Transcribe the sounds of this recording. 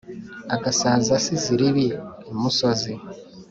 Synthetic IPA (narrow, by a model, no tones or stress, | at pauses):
akasaːzasiziɾiβiemusozi